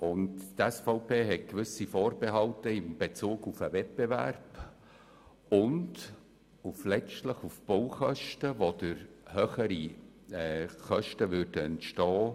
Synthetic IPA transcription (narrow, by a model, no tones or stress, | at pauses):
ʊnttɛsfɔʊpʰeːɦɛt̚kʋʏsifɔːɾbɛɦɑltəɪmb̥et͡suːɡufəvɛt̚b̥ɛvæ̰rb̥ | ʊnd | uflɛt͡ʃtləχufb̥oʊχœʃtəvod̥əɾhøːχəɾi | ɛːχœʃtəʋʏɾdəɛntʃtɑː